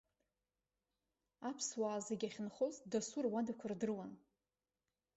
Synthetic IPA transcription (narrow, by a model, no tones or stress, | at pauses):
apʰswaːzeɡʲaχʲɪnχozdasurwadakʷʰʊrdɨrwan